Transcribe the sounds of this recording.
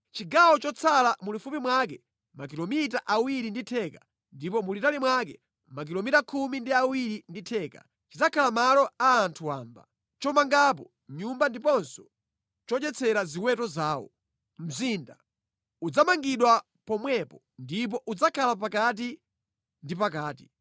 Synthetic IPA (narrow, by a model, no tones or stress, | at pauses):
t͡ʃiɡawɔt͡ʃɔt͡sʰalamulifupimwakɛ | mak̬ilɔmitaʔawiɾinditʰɛka | ndipɔmulitalimwakɛ̰ | mak̬ilɔmitakʰumindiawiɾinditʰɛːka̰ | t͡ʃid͡zakʰalamalɔaːntʰuwa̰ːmba | t͡ʃɔmaŋɡapɔ | mɲumbandipɔnsɔ̥ | t͡ʃɔt͡ʃɛt͡sʰɛɾaziwɛtɔzaːwɔ̰ | m̩zinda | ud͡zamaŋɡiɗwa | pɔmwɛpɔ | ndip̬ɔʔud͡zakʰalap̬akat̬i | ndipakaːti̥